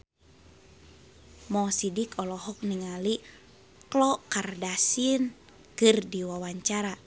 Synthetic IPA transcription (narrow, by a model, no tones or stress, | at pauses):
mɔsidikɔlɔɦɔk̚niŋali | klɔkardasin | kɨrdiwawaɲt͡ʃaɾa